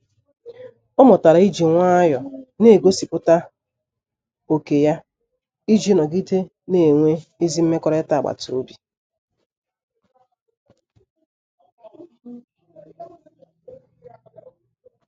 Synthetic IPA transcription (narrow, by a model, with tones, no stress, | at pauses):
ɔ˦mɔ˨ta˨ɾa˨i˦d͡ʒi˨ŋʷa˦jɔ˨ne˦˨ɡo˦si˨pʊ˦ta˦ | o˨ke˨ja˦ | i˦d͡ʒi˦nɔ˨ɡi˦te˦ | ne˨ŋʷe˦i˦zi˦m̩˦me˦kɔ˦ɾe˦ta˨ɡ͡ba̰˨tʊ˨o˦bi˨